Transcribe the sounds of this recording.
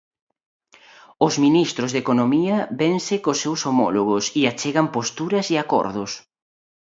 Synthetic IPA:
ozminist̪ɾʊzðekonomiɐbensɪkosːewsomɔ̰loɣ̞osiat͡ʃeɣɐmpost̪uɾɐsiakɔ̰ɾðʊs

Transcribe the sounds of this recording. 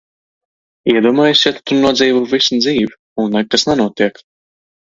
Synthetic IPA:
iɛd̪uɔmaːjusjat̪t̪uɾnuɔd̪ziːvuvisnd̪ziːv | unːɛɡ̚kasnɛnuɔt̪iɛk

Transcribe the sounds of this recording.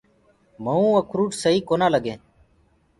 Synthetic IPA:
məũːəkʰɾuːʈsəɦiːkoːnaːləɡẽː

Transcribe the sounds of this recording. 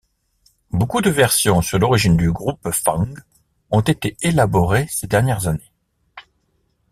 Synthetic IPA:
bokud̪əvɛʁsjɔ̃syʁlɔʁiʒind̪yɡʁupfɑ̃ŋɡ | ɔ̃t̪et̪eelabɔʁesed̪ɛʁnjɛʁzane

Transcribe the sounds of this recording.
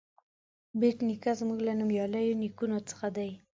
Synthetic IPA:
beʈnikazmuɡlanumjɑlajonikunot͡sə̥xad̪aj

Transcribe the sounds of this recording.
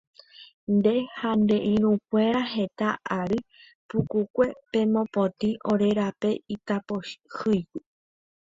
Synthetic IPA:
nd̪e̞hand̪e̞ʔĩɾũkʷe̞ɾaɦe̞t̪aaɾɨ | pukukʷe̞pẽ̞mõ̞põt̪ĩʔoɾe̞ɾape̞it̪apohɨjɡu

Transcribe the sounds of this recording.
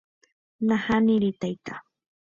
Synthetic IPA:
nahanɪɾɪt̪ajt̪a

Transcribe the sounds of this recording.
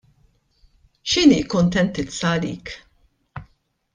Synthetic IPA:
ʃɪniːkʊnt̪ɛnt̪ɪt͡sːɐːlḭːk

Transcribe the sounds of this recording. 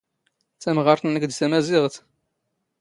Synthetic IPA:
t͡sːæmʁɑɾˤθənækd̪sæmæziʁt̪

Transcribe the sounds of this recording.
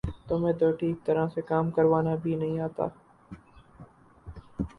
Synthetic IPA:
t̪oːmɛ̃ːt̪oːʈʰiːk̚t̪ɐɾãsekaːmkɐɾʋaːnabʱinɐɦĩaːt̪a̰ː

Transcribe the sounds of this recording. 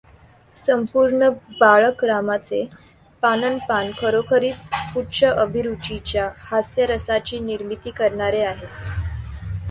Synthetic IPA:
səmpuɾɳəbaɭəkɾamat͡se | panənpankʰəɾokʰəɾiːt͡spuʈt͡ɕʰəʔəbʱiɾut͡ɕit͡ɕjahasjəɾəsat͡ɕiːniɾmit̪iːkəɾɳaɾeaɦet̪

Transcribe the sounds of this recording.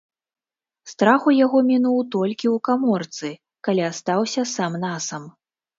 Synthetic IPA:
st̪ɾaxujaɣɔmʲinuwt̪ɔlʲkʲiwkamɔrt̪sɨ | kalʲiast̪awsʲɐsamnasɐm

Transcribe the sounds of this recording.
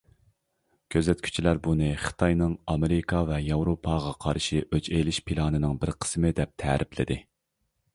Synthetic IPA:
kʲʰøzɛt̪kʲʰy̥t͡ʃʰilæɾbunɨχə̥t̪ʰɑjnɨŋɑmɪɾɪkʰɑvɛjɑwɾopʰɑːʁɑqʰɑɾʃiʔøt͡ʃelɪʃpʰilˠɑːnɨnɨŋbɪɾqʰə̥smɨd̪ɛp̚t̪ʰɛ̰ɾʔɪplɪ̰d̪ɪ

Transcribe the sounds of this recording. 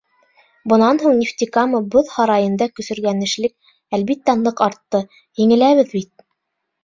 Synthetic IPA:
bŏnɑnɦuɴnʲɪft̪ʲikamɤboðhɑɾɑjɤ̆nd̪ɑkɵ̆sɵ̆ɾɡænɘ̆ʃlɘk̚ | ælβit̪ːænˠɤqɑɾt̪ːɤ | jɘ̆ŋɘ̆læβɘðbit̪̚

